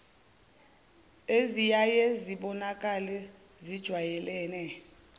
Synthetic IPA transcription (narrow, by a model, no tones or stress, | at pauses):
ezijajɛziɓɔnakʼalɛ | zid̥ʒ̥ʱwajɛlɛːnɛ